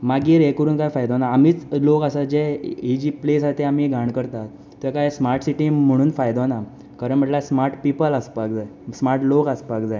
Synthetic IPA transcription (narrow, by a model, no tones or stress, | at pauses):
maɡiːɾekəɾuːnkajfajd̪anaːmiːt͡slokəsad͡ʑeid͡ʑiːplesajt̪eamiɡʱaɳ̃kəɾt̪at̪ːjakajsmaɾʈsiʈim̤əɽ̃uːnfajd̪ona | kaɾəɳm̤əʈlasmaɾʈpipələspakd͡zajsmaɾʈlokəspakd͡zaj